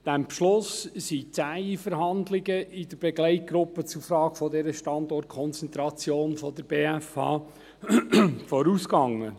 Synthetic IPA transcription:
d̥ɛmbʃlʊssit͡sæːifəɾɦɑndlɪɡəʔɪd̪əɾb̥ɛɡlɛɪt̚ɡɾʊpːət͡sufɾɑːɡfɔdɛɾəʃtɑnd̪ɔrt̚kʰɔnt͡sɛnt̪ɾɑt͡sjoːnfɔd̪əɾb̥eːæfɑ̰ː | fɔɾuːskɑŋːə

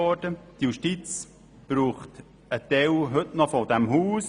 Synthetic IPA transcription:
ɔɾd̥əd̥̪juʃtit͡s | b̥ɾuːχt | ət̪ɛwɦɵtnɔfɔd̥̪ɛmɦuːs

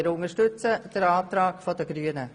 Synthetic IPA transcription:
ɾʊŋəʃtʏt͡səd̥əɾɑːt̪ɾɑːkfɔd̥əɡ̥ɾyːənə

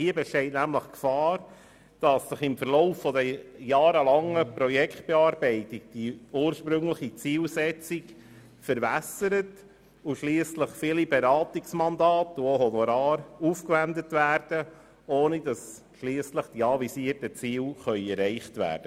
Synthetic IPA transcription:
hiəbɛʃtɛɪtnæmləχkfɑːɾ | d̥ɑsːəχɪmfəɾloʊfːɔdəjɑːɾəlɑŋəpɾɔjɛkʰt̚b̥ɛɑːɾbɛɪtik̚d̥iuːɾʃpɾʏŋləχit͡siːlsɛt͡sik | fəɾvæsəɾət | uʃliːəsləχfilibeɾɑːtiksmɑndɑːtuoɦɔnɔɾɑːɾuːfkʋændətʋæːɾd̥ə | oːnid̥ɑs | ʃliːsləχd̥iɑvisiərtət͡siːlχœʏɛɾɛɪχtʋæ̰ːɾd̥ə

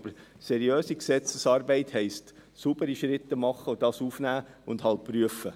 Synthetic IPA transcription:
b̥əɾsɛɾijøːsiksɛt͡səsɑːɾbɛɪthɛɪstsubəɾiʃɾɪt̪ːəmɑχəodɑːsuːfnæːʊndhɑlt̚pɾyəfə

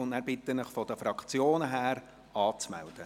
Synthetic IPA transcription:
ʊndnæːɾbɪt̪ːənəχfɔd̥̪əfɾɑkt͡sjoːnəɦæːɾ | ɑːt͡smæ̰ld̥̪ə

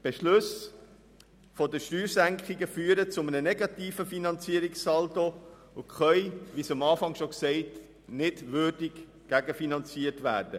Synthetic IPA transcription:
b̥eʃlʊs | fɔdəʃtyːɾsæŋkχɪɡəfyːəɾət͡sʊmənənɛɡɑtiːfəfinɑnt͡siəɾɪksɑlto | ʊχœjʋisɑmɑːfɑŋʃɔksɛɪt | nɪdʋørdɪk | ɡ̥æɡəfinɑnt͡siərtʋæ̰ːrd̥ə

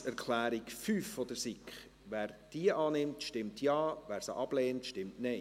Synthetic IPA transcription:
æɾkʰlæːɾikfyːfːɔd̥̪əɾsɪkχ | ʋæːɾd̥iəʔɑːnɪmtʃtɪmtʰjɑːvæːɾsə̰ʔɑb̥leːntʃtɪmtnɛɪ

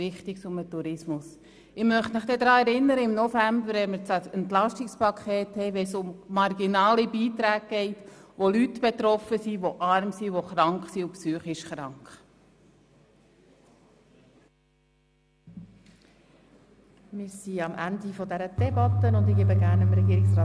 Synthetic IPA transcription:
ɪχt̪ɪksʊmətuɾɪsmʊs | ɪmœχtmɪχd̥̪ɛd̪ɾɑːɛɾɪnːəɾəɪmnɔfæmbəɾɛmət͡sɛɛntlɑʃtɪkspɑkʰχeːthɛɪʋɛsʊmmɑɾɡinɑːlibiːt̪ɾæːɡ̚ɡ̥ɛɪtʋolytb̥et̪ɾɔfəsiʋoʔɑɾmsiʋoχɾɑŋkχsiʊpsyːχɪʃχɾɑŋkχ | mɪːɾsiɑmʔændifɔdɛɾəd̥ɛbɑtənʊndɪɡ̥eːbəɡæːɾnəmɾɛɡiːɾɪksɾɑː

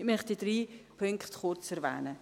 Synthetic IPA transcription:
mœχt̚did̥ɾiːpʰʏŋkχtχʊɾt͡sɛɾvɛ̰ːnə

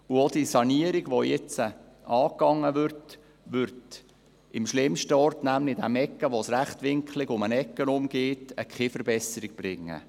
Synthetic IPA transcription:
uodisɑniəɾɪɡʋojɛt͡sə | ʔɑːkɑŋːəʋʏɾt | ʋʏɾt | ɪmʃlɪmʃtəɔrtnæmlɪd̥æmɛkːəʋosræχtʋɪŋklɪɡʊmənɛkːənʊmɡ̥eːtəkχɪfəɾbɛsəɾɪɡ̚b̥ɾɪŋːə̰

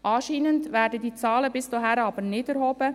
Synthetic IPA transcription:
ʔɑːʃiːnəndvæːɾdədiːt͡sɑːləbɪst͡soɦæɾɑːbəɾnɪdɛɾhoːb̥ə

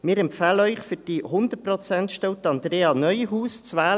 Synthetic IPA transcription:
mɪːɾɛmpfaːləœʏχfyd̥ihʊnd̪əprɔt͡sɛntʃtɛwt̪ɑnd̪ɾeːɑnœʏɦuːst͡svaːl

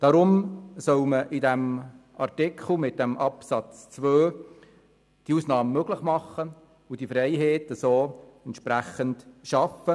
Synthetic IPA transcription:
d̥ɑɾʊmsœwməʔidɛm | ʔɑɾtɪkʰχl̩mɪt̚d̥ɛmʔɑpsɑt͡st͡sʋøː | d̥iusnɑːməmøɡləχmɑχːə | ʊd̥ifɾɛjɦeːtəsoːɛnt̪ʃpɾæxəndʃɑfə

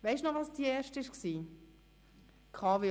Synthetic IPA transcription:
ʋɛɪʃnɔχʋɑːsd̥iɛːʃtəɪʃksiː | kʰɑːve

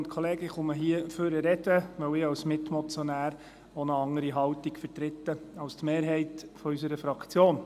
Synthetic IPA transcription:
nt̪kʰɔleːɡəχʊməɦiəføɾəɾɛdəʋœwɪːɑwsmɪtmɔt͡sjɔnæːɾ | onəɑŋəɾiɦɑwtikfəɾtɾɪt̪ːəɑwst̪meːɾɦɛɪtfɔysəɾəfɾɑkt͡sjoːn

